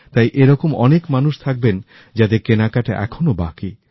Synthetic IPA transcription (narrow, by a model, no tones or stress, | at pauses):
t̪ajʔeɾɔkomɔnekmanuʃt̪ʰak̚ben | d͡ʑad̪ekenakaʈa̰ʔɛ̰kʰonobaki